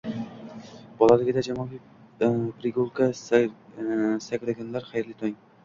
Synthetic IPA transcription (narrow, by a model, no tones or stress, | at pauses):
b̥ɒlˠalɪɡʲɪd̪ad͡ʒamɒɡʲi | pɾɪɡolˠkʰa | sakʲɾaɡʲanlaɾχajɾlɪt̪ʰɒŋ